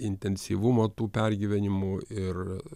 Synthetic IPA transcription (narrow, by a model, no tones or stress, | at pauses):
ɪnʲt̪ʲɛnʲsʲiːʋʊmoːt̪uːpʲæɾʲɡʲiːʋʲɛnʲɪmʊɪr